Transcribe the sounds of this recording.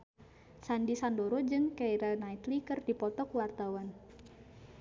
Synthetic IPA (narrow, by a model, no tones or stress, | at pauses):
sandisandoɾɔd͡ʒɨŋkaiɾanait̪likɨrdipɔt̪ɔkuwart̪awan